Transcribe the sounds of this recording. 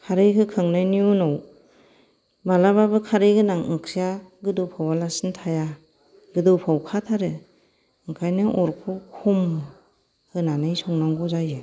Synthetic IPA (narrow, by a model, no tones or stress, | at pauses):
kʰaɾɯjkʰɯkʰɯŋnajniunaw | malababɯkʰaɾɯjɡʰɯnaŋɯŋkʰijaɡɯdɯwpʰawalasɯntʰaja | ɡɯdɯwpʰawkʰatʰaɾɯ | ɯŋkʰajnɯʔɔɾkʰukʰum | hɯnanɯjsɔŋnaŋɡɔzajɯ